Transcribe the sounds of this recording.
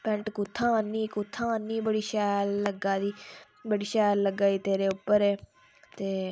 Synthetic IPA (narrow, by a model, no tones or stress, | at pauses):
pɛ̃ɳʈkʊt̪ʰːãːnːiːkʊt̪ʰːãːnːiːbəɽiːʃɛːlːəɡaːd̪iː | bəɽiːʃɛːlləɡaːiːt̪eːɾeːʊpːəɾɛː | t̪eː